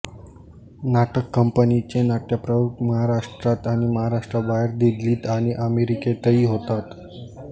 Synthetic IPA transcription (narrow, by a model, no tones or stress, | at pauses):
naʈəkːəmpənit͡ɕenaʈjapɾəbukməɦaɾaʂʈɾat̪aɽ̃iməɦaɾaʂʈɾabaɦeɾd̪id̪liːt̪aɽ̃iʔəmeɾiket̪əiːɦot̪at̪